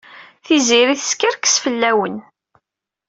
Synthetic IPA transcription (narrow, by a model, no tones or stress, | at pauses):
θiziɾiθəskiɾkːə̥sfəlːæwən